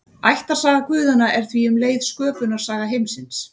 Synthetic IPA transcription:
ajht̪ḁsaːɣakʰvʏːðʏnaʔɛɾ̥θviʏmleːjðskœːpʏnḁsaːɣaɦejmsɪns

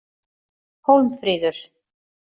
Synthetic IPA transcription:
hoːwmfɾiːðʏɾ̥

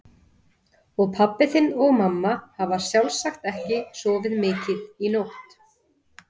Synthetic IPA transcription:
ɔɣpʰapːɪθɪnɔɣmamːahavḁsjawlsaxt̪ɛhcɪsɔːvɪðmɪːcɪðinowht̪

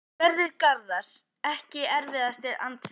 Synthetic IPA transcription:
vɛɾðɪɾkaɾðas | ɛhcɪɛɾvɪðast̪ɪɾa̰nt̪s

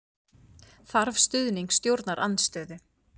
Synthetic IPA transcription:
θaɾvst̪ʏðniŋkst̪jowɾt̪naɾʔa̰nst̪œːðʏ

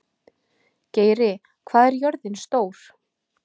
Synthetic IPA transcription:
ceːjɾɪ | kʰvaːðɛɾjœɾðɪnst̪oːwɾ̥

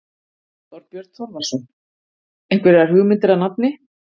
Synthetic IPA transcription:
t̪ɔɾpjœɾt̪θɔɾvaɾ̥sɔn | ejŋkvɛɾɛaɾ̥hʏɣmɪnt̪ɪɾaðnap̚nɪ

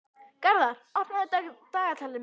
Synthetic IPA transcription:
kaɾðaɾ̥ar̥t̪naðɪt̪at̪aːɣat̪ʰaːlɪm

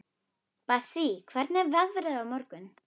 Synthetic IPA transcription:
pasikʰvɛɾt̪nɛɾvaðvʏɾaðawmɔɾkʏn

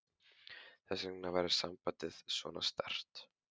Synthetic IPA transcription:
θɛsɾnavaːjɾɪ̥sampat̪ɪðsvɔ̰nast̪ɛr̥t̪

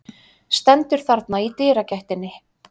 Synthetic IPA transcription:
st̪ɛnt̪ʏɾ̥θaɾt̪nait̪ɪːɾacajht̪ɪnːɪ

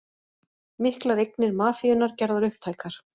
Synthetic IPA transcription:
mɪhklaɾejk̚nɪɾmaːfiʏnaɾ̥cɛɾðaɾʏhp̚t̪ʰaːjkaɾ̥

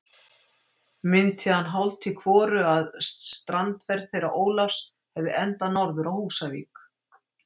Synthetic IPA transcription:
mɪnt̪ʰɪhanːɦawlt̪ikʰvɔːɾʏaðst̪ɾant̪vɛɾðθejɾaʔoːwlafs | hɛvðɪʔɛnt̪anɔɾðʏɾawhuːsavḭːk

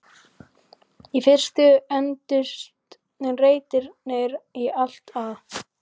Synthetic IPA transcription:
ifɪr̥st̪ʏɛnt̪ʏst̪ | nɛnreːjt̪ɪɾnejɾial̥t̪að

